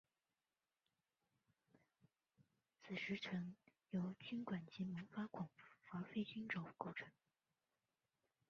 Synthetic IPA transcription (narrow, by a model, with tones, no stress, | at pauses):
t͡sʰɹ̩˨˩ʂɻ̩˧˥t͡sʰwə˧˥njo˧˥ʊt͡ɕy˥nkwa˨˩nt͡ɕi˧˥mɤ˧˥ŋfa˥kʰʊ˨˩ŋ˩˥fa˧˥fe˥ɪt͡ɕy˥nʈ͡ʂʊ˨˩ʊko˥˩ʊʈ͡ʂʰɤ˧˥ŋ